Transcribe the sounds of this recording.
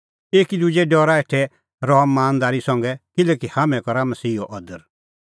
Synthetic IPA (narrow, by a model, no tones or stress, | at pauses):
eːkid̪ʊd͡ʒɛɖɔːɾaeʈʰɛ | ɾɔɦmːaːnd̪aːɾisɐ̃ŋɡɛkɪlɛkihamɛ̃kɔɾamɐsiːoʔɔd̪əɾ